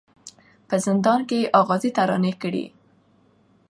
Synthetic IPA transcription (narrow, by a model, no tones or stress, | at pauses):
pəzɪnd̪ɑnkeʔɑɣɑzit̪aɾɑ̰nekəɽḭ